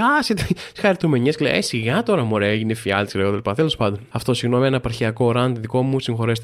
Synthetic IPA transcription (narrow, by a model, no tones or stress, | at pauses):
ɐset̪esxɐɾit̪ume̞ɲesklḛḛsiɣɐt̪o̞ɾɐmoɾeeʝinefiɐ̰lt̪isileot̪eɐlipɐt̪elo̞spɐnd̪onɐft̪o̞siɣnomienɐpɐɾçiɐko̞ɾɐnt̪iðiko̞musiŋxo̞ɾest̪